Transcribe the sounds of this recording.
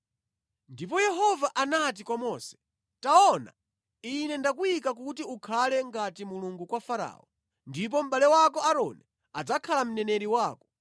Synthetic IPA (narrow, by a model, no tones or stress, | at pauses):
ndip̬ɔjɛɦɔvaʔanat̬ikwamɔːsɛ̥ | taɔna̰ | inɛndakuikakutiukʰalɛŋɡatimuluŋɡukwafaɾa̰ːɔ | ndip̬ɔm̩ɓalɛwakɔaɾɔnɛ | ad͡zakʰalam̩nɛnɛɾiwaːkɔ̥